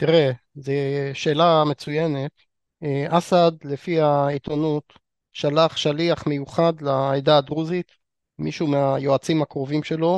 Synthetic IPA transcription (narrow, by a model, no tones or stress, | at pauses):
t̪iʁe | zeʃe̞ːlame̞t͡sujenet̪ | ʔasad̪lefiait̪onut̪ | ʃalaχʃaliaχmejuχad̪laejd̪aːd̪ʁuzit̪ | miʃumeajoat͡simakʁo̞vimʃe̞lo̞